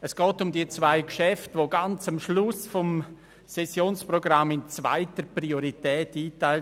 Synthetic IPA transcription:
əsɡ̥ɔːtʊmdiət͡svaɪkʃɛftʋoɡant͡samʃlʊsfɔm | sɛsjoːnsprɔɡramːɪnt͡sva̰ɪtəprioɾitɛːtiːtaɪl

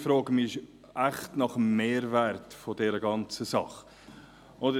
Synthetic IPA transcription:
fɾoːɡəmɪɪʃ | æχtnɑχəmːeːɾvæɾtfodɛɾəɡɑnt͡səsɑχ | odə

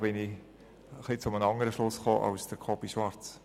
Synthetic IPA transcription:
b̥ɪni | əχlit͡sʊmənɑŋəɾəʃlʊsχo̰ːʔɑ̰ʊsd̥əɾkʰɔbiʃʋɑɾt͡s

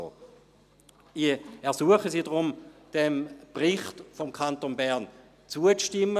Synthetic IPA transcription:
o̰ | iɛɐsuəχəsiːdʁʊmd̥ɛmb̥ʁɪχtfɔmkʰantonbɛʁn | t͡suət͡sʃtɪmːə

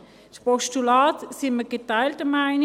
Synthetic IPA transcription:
spɔʃtulɑːtsɪməɡ̥et̪aɪltəmaɪn

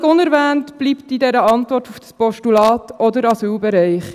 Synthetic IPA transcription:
ɡʊnɛɾvɛːntb̥liːptidɛɾəɑntʋɔrtufspɔʃtulɑːtʰɔdəɾɑsyːlbɛɾɛɪχ

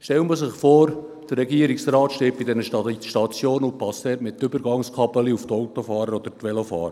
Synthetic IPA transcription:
ʃtɛwməsɪχfoːɾd̥əɾːɛɡiəɾiksɾɑːt̪ʃteːp̚b̥idɛnəʃɑʃtɑt͡sjoːnʊnpɑsɛtmɪtːʏbəɾɡɑŋskʰɑpəliuftɔwtofɑːɾəɾɔd̪əɾtʋɛlofɑ̰ːɾə

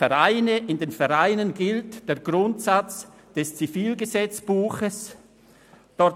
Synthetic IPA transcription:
ɛʁaɪnəʔɪndeːnfɛʁaɪnənɡɪltd̥eːɐɡʁʊntsat͡s | d̥ɛst͡sifiːlɡəzɛt͡sb̥uːxəs | d̥ɔ

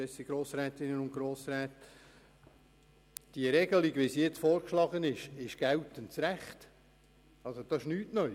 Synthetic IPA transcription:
ɛsiɡɾoːsɾɛːt̪ɪnənʊntɡɾoːsɾɛːt | d̥iəɾɛɡəliɡʋisjɛt͡sfoːɾkʃlɑɡənɪʃɪʃɡ̥æwtənt͡sɾæχt | ɑlsod̥ɑɪʃnyːtnœ

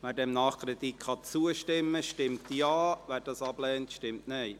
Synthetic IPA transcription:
ʋæːɾdɛmnɑːχkɾedikχɑt͡suəʃtɪmːəʃtɪmtjɑːʋæːɾd̥ɑsɑb̥lɛːntʃtɪmtneɪ

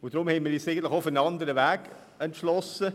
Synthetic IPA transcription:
ʊd̥ɾʊmhɛɪnmədeːsæɪɡən̩tlɪχofənɑnd̪əɾəʋæːɡ̥ | ɛntʃlɔsə

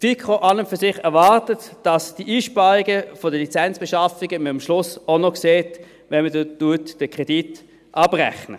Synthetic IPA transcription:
fikʁoʔɑləmfyɐsɪχɛɐvɑʁtətd̥ɑsd̥iʔiːʃpɑʁiɡəfodəlit͡sɛnt͡sb̥eʃɑfiɡəməmʃlʊsonokseːt | ʋɛnmədtuɐtd̥əkʁ̥ɛd̥it | ʔɑbʁɛ̰χnə̰

